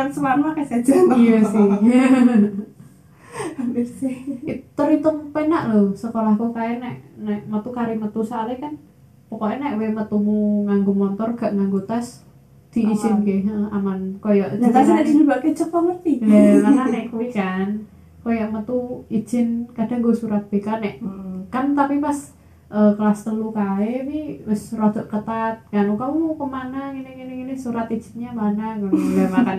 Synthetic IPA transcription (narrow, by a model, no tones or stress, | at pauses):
ansəwarnuakasḁd͡ʒəjasih | rsiit̪əɾit̪əmpenaʔlosəkolahkukajanɛʔnɛʔmət̪ukaɾimət̪usalɛkan | pɔkoʔɛnɛʔwemət̪umuŋaŋɡumɔnt̪ɔrɡ̥aʔŋaŋɡut̪as | d̪̥i̤iʒ̥ɪnɡeɦəa̰mankojaʔd͡ʒit̪anaidibakɛt͡ʃəpɔŋərt̪iɛmananɛʔkuikan | kojaʔmət̪ui̥d͡ʒ̥ɪnkad̥a̤ŋɡosuɾat̪̚b̥ekanɛʔkant̪apipas | ʔəkəlast̪əlukaɛpiɾʊsrod̪̥ɔʔkət̪at̪̚ŋanukaukəmanaŋinɪŋiniŋinɪsuɾat̪i̥d͡ʒ̥ɪnɲamanaŋəamakan